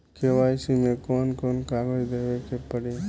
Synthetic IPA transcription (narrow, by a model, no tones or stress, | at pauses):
kʰeʋaːjsimẽkoːnkoːnkaːɡod͡ʒd̪eːʋekepəɽi